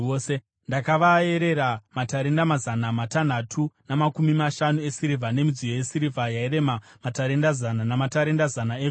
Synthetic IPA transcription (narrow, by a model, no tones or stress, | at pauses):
ose | ndakaʋae̞ɾe̞ɾamataɾe̞ndamazanamatan̤atʰunamakumimaʃanue̞siɾivʱane̞mid͡zijo̞je̞siɾivʱajaiɾe̞mamataɾe̞ndazananamataɾe̞ndazanae